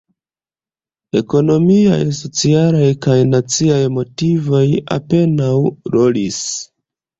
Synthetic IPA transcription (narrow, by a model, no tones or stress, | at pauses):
e̞ko̞no̞mia̰jso̞t͡sialajkajnat͡siajmo̞tivo̞ja̰pe̞nawɾo̞lis